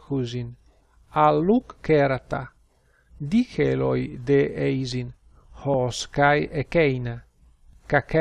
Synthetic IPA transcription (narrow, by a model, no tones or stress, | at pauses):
xuzin | alːukːeɾat̪a | d̪ikelojd̪eejzin | hɔskajekɛjna | kak